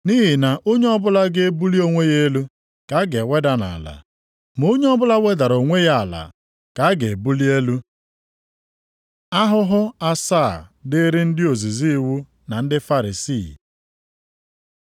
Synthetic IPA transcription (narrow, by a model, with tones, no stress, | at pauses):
ni˦ɦɪ˨na˨ʔo˦ɲe˦ɔ˦bʊ˦la˦ɡe˦e˦bu˦li˦o˦ŋʷe˦je˦lu˦ | ka˨˦ɡe˨we˦da˦na̰˨la̰˨ | m˨o˦ɲe˦ɔ˦bʊ˦la˦we˦da˨ɾo˨ŋʷe˦ja˦a˨la̰˨ | ka˨a˦ɡe˨bu˦li˦e˦lu˦ | a˦ɦʊ˦ɦʊ˦a˦saː˦˨dɪ˦ɾɪ˦n̩˦dɪ˦o˨zi˨zi˦wu˦ | na˨n̩˦dɪ˦fa˦ɾi˨siː˦˨